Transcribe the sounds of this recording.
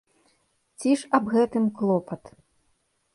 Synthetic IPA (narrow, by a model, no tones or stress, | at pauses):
t͡sʲiʂɐbɣɛt̪ɨmklˠɔpɐt̪